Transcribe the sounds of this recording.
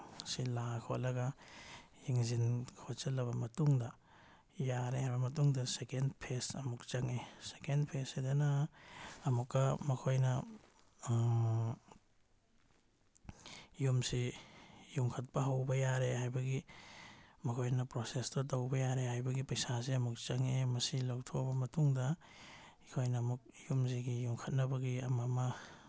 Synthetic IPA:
silakʰo̰lɐɡɐ | jiŋzinkʰot͡ʃɐlːɐβɐmɐtuŋdɐ | jaɾehɐɾbɐmɐtuŋdɐsekendpʰesɐmuk̚t͡ʃɐŋesekendpʰesidɐnɐː | mukːɐmɐkʰojnɐ | jumsi | juŋkʰɐt̚pɐɦɐwbɐjaɾeɦajbɐɡi | mɐkʰojnɐpɾosestɐt̬ɐwbɐjaɾehajbɐɡipɐjsaziɐmuk̚t͡ʃɐŋemɐsilawtʰobɐmɐtuŋdɐ | ikʰojnɐːmuk̚jumziɡijuŋkʰɐt̚nɐbɐɡiɐmɐmɐ

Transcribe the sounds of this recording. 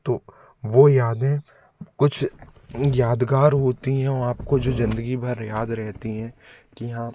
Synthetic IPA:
t̪oː | ʋoːjaːd̪ẽ | kʊt͡ʃʰ | jaːd̪ɡaːɾɦoːt̪iɦɛ̃ɔːɾaːpkod͡ʒoːzɪ̃nd̪əɡibʱɐɾjaːd̪ɾɛɦt̪iɦɛ̃ːkijɦãː

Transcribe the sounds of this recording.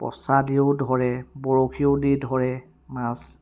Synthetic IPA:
pɔ̰sadiʊdʱɔɹɛbɔɹokʰiʊdidʱɔɹɛ | mas

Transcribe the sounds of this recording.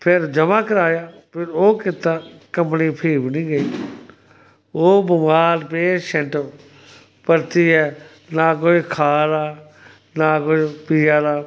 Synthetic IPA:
pʰɪɾd͡ʒəmãːkəɾaːjaːpʰɪɾoːkɪt̪ːãːkə̃mpniːpʰiːbnĩːɡəiː | oːbʊmaːlpeːʃəɳʈ | pəɾt̪iːɦɛː | naːk̬oːiːkʰaːɾaː | naːkoːiːpiːaːd̪aː

